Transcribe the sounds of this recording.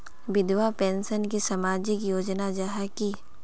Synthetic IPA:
ʋɪd̪ʋapɛ̃ːnsənkisɐmaːd͡ʒɪkjoːd͡ʒnad͡ʒaɦaki

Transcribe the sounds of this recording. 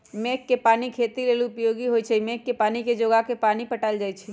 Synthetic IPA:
mekːepaːnikʰet̪ilelʊpjoɡiɦot͡ʃʰɛimekːepaːniked͡ʒoɡakepaːnipəʈald͡ʒaːjt͡ʃʰɛ

